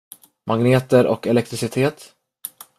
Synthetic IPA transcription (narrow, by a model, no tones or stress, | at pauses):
mʔaɡneːt̪əɾʔɔ̰kɛlɛk̚t̪ɾɪsɪt̪ʰeːt̪